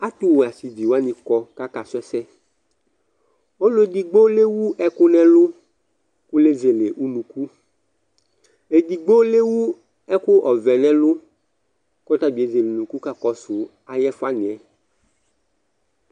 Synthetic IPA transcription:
a˦t̪u˦wo˨a˨si˨d͡ʒi˨wa˦nĩ˨kɔ˨ka˦ka˨sʊ˦ɛ˦sɛ˦ | o˦lo˦e˦d̪i˨ɡ͡bo˦le˦wu˦ɛ˦kʊ˦nɛ̃˦lʊ˦ | ku˦le˦ze˨le˨ʔu˦nũ˨ku˦ | e˨d̪i˨ɡ͡bo˦le˦wu˦ | ɛ˦kʊ˦ʔɔ˨vɛ˨nɛ̃˦lʊ˦ | kɔ˦t̪a˦bi˨e˦ze˨le˨nũ˨ku˦ka˦kɔ˨sʊ˨ | a˨jɛ˦fa˦nĩ˨ɛ˨

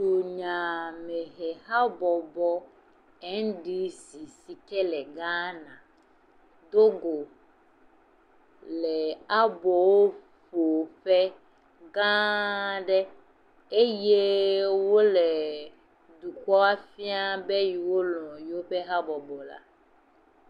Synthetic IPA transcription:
to˨ɲã˨mɛ˨ɦɛ˨ɦa˦bɔ˨bɔ˦ | ɛ˦ŋ˦ɖi˦si˨si˨kɛ˦lɛ˨ɡã˦nã˨ | d̪o˦ɡo˨ | lɛ˨a˦bɔ˨wo˦ | fo˨ɸɛ˦ | ɡã˦ɖɛ˦ | e˦je˦wo˦lɛ˨ | du˨kɔ˦a˦fi˦a˦be˦ji˨wo˦lɔ̃˨jwo˦ɸe˦ɦa˦bɔ˨bɔ˨la̰˦

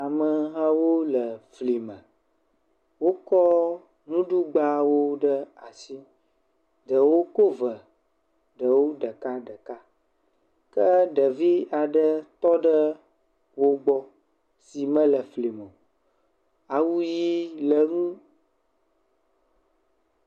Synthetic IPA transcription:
a˨mə˨ɦã˦wo˦lə˨fli˨mə̃˨ | wo˦kɔ˦ | nũ˦ɖu˦ɡ͡ba˦wo˦ɖə˦a˨si˦ | ɖə˨wo˦ko˦və˨ | ɖə˨wo˦ɖə˨ka˦ɖə˨ka˦ | kə˦ɖə˨vi˦a˨ɖə˦t̪ɔ˦ɖə˦ | wo˦ɡ͡bɔ˦ | si˨mə̃˦lə˨fli˨mə̃˨ | a˨wu˦ji˦lə˨ŋũ˦

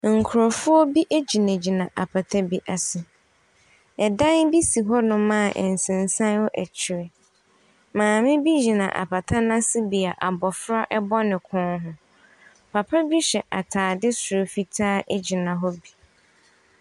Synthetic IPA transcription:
ŋ̩˨kʰʊ˨ɾɔ˨fʊ˦ɔ˦bi˦ʔe˦d͡ʑi˨nã˨d͡ʑi˨nã˨ʔa˨pʰa˨tʰa˦bi˦ʔa˨sɪ˨ | ɛ˨dã˦nbi˦si˨ɦɔ˦nʊ̃˨mã˦˨ʔɛ̰˨n˨sɪ̃˨n˨sã˦nhɔ˦ʔæ˨t͡ɕʰɪ˨ɾɪ˨ | mãː˨mɪ̃˦bi˦d͡ʑi˨nã̰˨ʔa̰˨pʰa˨tʰa˦nã˦sɪ˦bi˨a˨ʔa˨bɔ˨fɾa˦ʔɛ˦bɔ˦nɪ̃˨kʰʊ̃˦nɦʊ˦ | pʰa˨pʰa˦bi˦ɕɛ˨ʔa˨tʰaː˨dɪ˦sʊ˨ɾo˨fi˦tʰaː˦ʔɛ˦d͡ʑi˨nã˨ɦɔ˦bi˨

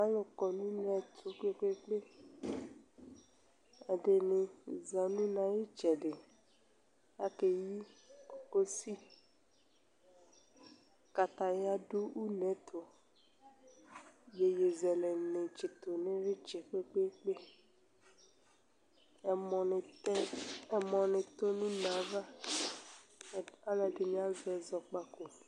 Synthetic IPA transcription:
ã˦lo˨kɔ˨nũ˦nɛ̃˨t̪ʰʊ˨k͡pe˦k͡pe˦k͡pe˦ | ɛ˨de˨nɪ̃˨za˨nũ˦nã˨ji˦t͡ʃɛ˨ɖɪ˨ | ja˦ke˨ji˦o˨ko˦si˦ | ka˨t̪a˨ja˦do˦ʔu˦nɛ̃˨˦t̪ʰo˨ | je˨je˨zɛ˨lɛ˨nẽ˨t͡ʃi˨t̪o˨nɪ̃˦ɾɪ˦t͡ʃɛ˨k͡pe˦k͡pe˦k͡pe˦˨ | mɔ˨n˨˦˨ | mɔ̃˨nɪ̃˨t̪o˦nĩ˦nã˨˦va˦˨ | a˦lɛ˨ɖɪ˨ñ˨˦a˦zɛ˨zɔ˨k͡pa˦ko˨

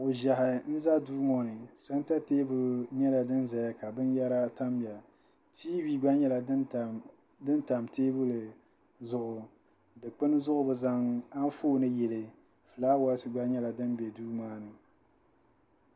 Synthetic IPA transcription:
ʔʊ˨ʒa˨ɦɪ˨nɨ˦za˦duː˦mɔ˦nɨ˨sa˦n˦ta˦teː˦bʊ˦lɲɛ˦la˨dɨ˦nza˨ja˦ka˨bɨ˦nja˦ɾa˦ta˦mbja˨ | tiː˦bi˦ɡ͡ba˦ɲɛ˦la˨˦˨ | dɨ˦nta˨mtʰeː˦bʊ˦lɨ˨ | zʊ˦ʔʊ˨ | dɨ˨k͡pɨ˦n˦zʊ˦ʔʊ˦bɨ˨za˦ŋa˦n˦foː˦nɨ˦jɛ˨lɨ˨ | fɨ˨laː˦wa˦lsɨ˨ɡ͡ba˦ɲɛ˦la˨dɨ˦nbɛ˨duː˦maː˦nɨ˨

